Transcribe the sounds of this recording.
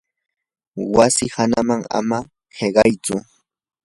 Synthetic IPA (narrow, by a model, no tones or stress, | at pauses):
wasɪhanamaŋa̰ma | ɢeɢɑjt͡sʊ